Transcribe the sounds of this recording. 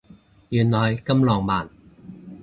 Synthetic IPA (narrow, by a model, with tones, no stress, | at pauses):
jyː˨˩nlɔː˨˩jkɐ˥mlɔː˨˩ŋmaː˨˩n